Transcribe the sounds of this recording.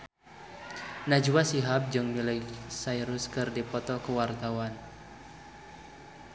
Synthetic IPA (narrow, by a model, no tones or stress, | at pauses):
nad͡ʒuwasiɦap̚d͡ʒɨŋmiləjsaiɾuskɨrdipɔt̪ɔkəwart̪awan